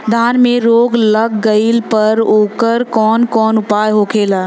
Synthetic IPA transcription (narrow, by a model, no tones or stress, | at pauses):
d̪ʱaːnmẽɾoːɡlɐɡːəɪilpɐɾoːkəɾkɔːnkɔːnʊpaːjɦoːkʰeːlaː